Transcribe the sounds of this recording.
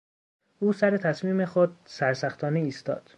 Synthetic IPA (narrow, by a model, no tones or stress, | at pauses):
ʔuːsæɾe̞t̪ʰæsmiːme̞xod̪̚sæɾsæxt̪ʰɒːneiːst̪ɒ̰ːd̪̥